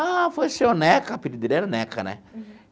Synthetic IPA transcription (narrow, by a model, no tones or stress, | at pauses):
afosiɔnɛkapidid̪iɾɛɾanɛkʰa̰nɛ̰